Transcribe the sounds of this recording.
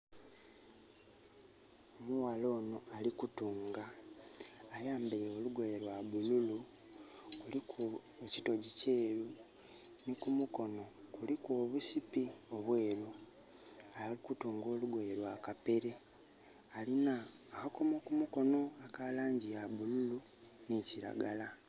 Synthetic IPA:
omuwalo̞ːno̞alikutuːŋɡaː | jaːmbejoluɡweɾwaβululu | kulikʰu | ecito̞ɟiceːɾu | nikumuko̞no̞kulikwo̞ːβusipio̞βwe̞ːɾu | alikutuːŋɡo̞ːluɡweɾwakape̞ɾe̞ | alinaː | hako̞mokumuko̞no̞akalaːɲɟijaβululu | neciɾa̰ɡala

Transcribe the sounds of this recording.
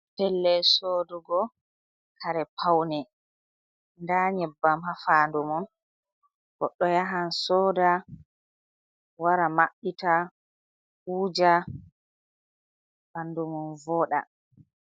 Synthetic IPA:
pɛlːɛsoduɡɔ | kʰaɾɛpʰawnɛ | ndaɲɛbːamɦafaːndumɔn | ɡ̥ɔɗːɔjaɦansɔːda | waɾamaɓita | uːd͡ʒa | b̥andumɔnvɔːɗa̰

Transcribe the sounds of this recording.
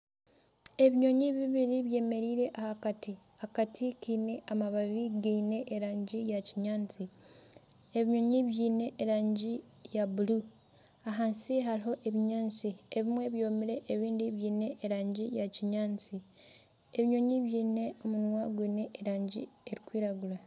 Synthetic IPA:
e̞βiɲo̞ɲiβiβiɾiβje̞ːme̞ɾiːɾe̞ʔahakati | akatʰikiːne̞ʔamaβaβiɡiːne̞ʔːɾaːɲɟijaciɲaːnt͡si | e̞βiɲo̞ɲiβjiːne̞ʔːɾaːɲɟi | jaβulu | aɦaːnsiɦaɾiɦo̞ʔe̞βiɲaːnt͡sieβimwe̞βjo̞ːmiɾe̞ʔːβiːndiβjiːne̞ʔːɾaːɲɟijaciɲaːnt͡si | e̞βiɲo̞ɲiβjiːne̞o̞munwaɡwiːne̞ːɾaːɲɟḭe̞ɾikwiːɾaɡula

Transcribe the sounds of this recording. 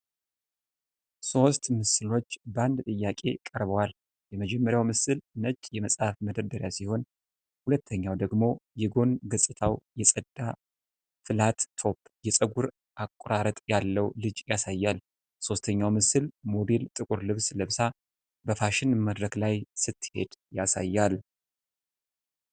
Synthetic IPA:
so̞st̪mɨsɨlo̞t͡ʃːband̪t̪ʼɨjːakʼe̞̰kʼəɾβəwal | jɛməd͡ʒɛmːəɾjawmɨsɨlnət͡ʃʼjɛməsʼhafməd̪əɾd̪əɾjasiho̞n | hulət̪ʰːəɲːawd̪əɡmo̞jɛɡo̞nɡəsʼt̪ʰawjɛsʼəd̪̥ːa | fɨlat̪ːʰo̞pːjɛsʼəɡuɾ | ʔakʼːʊɾaɾət̪ʼjalːəwlɨd͡ʒjasajːal | so̞st̪ʰəɲːawmɨsɨlmo̞belt̪ʼɨkʼuɾlɨβsləβsa | bəfaʃɪnməd̪ɾəklajsɨt̪ʰːhe̞̰d̪̥jasa̰jːal

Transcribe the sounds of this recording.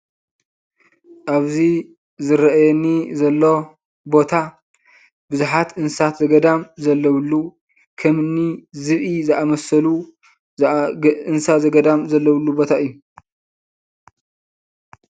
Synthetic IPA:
ʔaβzi | zɨɾɐʔajɛnːizɐlːo̞ | bo̞t̪ʰa | bɨzuħat̪ʔɨnsat̪zɐɡɐd̪amzɐlːɐwlːu | kʰɐmnizɨβʔizɨʔamɐsɐlu | ɨnsazɐɡɐd̪amzɐlːɐwlːubo̞t̪ʰaɨjːu

